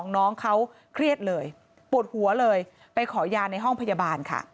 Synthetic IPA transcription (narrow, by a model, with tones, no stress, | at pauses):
ŋnɔː˦˥ŋkʰa˦˥w | kʰɾi˥˩ət̪̚lɤː˧j | pu˨˩ət̪̚hu˨˩˦ɐlɤː˧j | pa˧jkʰɔː˩˦jaː˧na˧jɦɔ˥˩ŋpʰa˧ja˧baː˧nkʰa̰˥˩